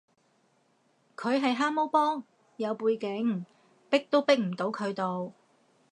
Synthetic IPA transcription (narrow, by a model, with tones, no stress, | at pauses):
kʰɵ˨˧ɥɦɐ˨jɦaː˥mo˥wpɔː˥ŋ | jɐ˨˧wpuː˧jkɪ˨˥ŋ | pɪ˥k̚t̪o˥wpɪ˥k̚m̩˨˩t̪o˨˥wkʰɵ˨˧ɥt̪o˨w